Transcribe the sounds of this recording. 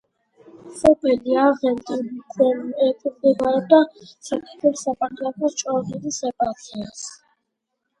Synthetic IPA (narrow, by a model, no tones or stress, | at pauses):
χɔpʼiliaʁɛmd̪ikʰwɛnɛpʰʼuɾd̪ɛbaɾɔb̚d̪asakʼit̪ʰwɛlsapʼak̪ʰlakʰɔt͡ʃʼɔvilisɛpʼat̪ʰias